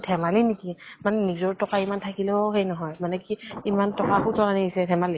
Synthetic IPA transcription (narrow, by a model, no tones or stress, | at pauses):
tʰɛmalinikimanɛnizɔɹtɔkaimantʰakilɛɔɦejnɔɦɔjmanɛkiimantɔkaxutɔnaniisɛtʰɛmali